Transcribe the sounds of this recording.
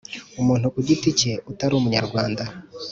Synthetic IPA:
umuːn̥hukuɟitice̞utaɾuːmuɲaɾɡwaːnda

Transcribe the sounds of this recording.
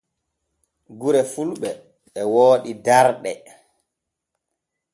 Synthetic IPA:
ɡuɾɛfulɓɛ | ɓɛwoːɗidaɾɗɛ

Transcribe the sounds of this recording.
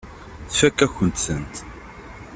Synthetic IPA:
θfækːæçənt̪sənt̪

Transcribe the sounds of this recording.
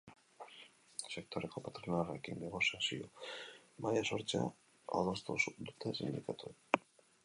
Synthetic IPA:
se̞kt̪ʰo̞ɾe̞ko̞pat̪ɾinarekind̪eɣosiasiomajaso̞ɾt͡ʃa̰ | a̰ðost̪usd̪ut̪esind̪ikat̪uen

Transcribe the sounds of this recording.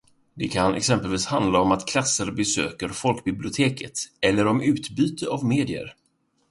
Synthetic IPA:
d̪ɛkʰanɛ̰ksɛmpəlviːshand̪laɔmat̪kʰlasːəɾbɛsø̰ːkəɾfɔlkbɪblɪʊt̪ʰeːkʰət̪ɛlːəɾɔmʉ̟ːt̪byːt̪ʰəavmeːd̪ɪə̰ɾ

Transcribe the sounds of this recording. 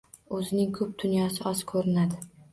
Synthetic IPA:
ɵzɪnɪŋkʰɵp̚d̪ʊnjɒsɪɒzkʰɵɾɪnad̪ɪ

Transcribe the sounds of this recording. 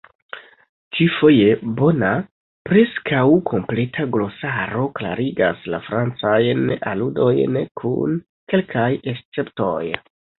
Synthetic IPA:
t͡ʃifo̞je̞bo̞na | pɾe̞skawkʰo̞mple̞tʰaɡlo̞saɾo̞kla̰ɾiɡa̰sla̰fɾant͡sajnaludo̞jnkʰṵn | ke̞lkʰajest͡se̞pto̞̰j

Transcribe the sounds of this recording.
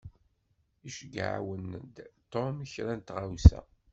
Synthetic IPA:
iʃəɡa̰ʕ̰wənd̪t̪omiçɾænt̪ʁawsæ̰

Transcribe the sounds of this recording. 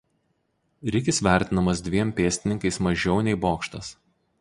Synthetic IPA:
ɾʲɪkʲɪsʋʲæˑɾʲt̪ʲɪnɐmɐs̬d̪ʲʋʲiɛmʲpʲeːsʲt̪ʲɪnʲɪŋkɐɪsmɐʒʲɛʊnʲɛɪboːkʃt̪ɐs

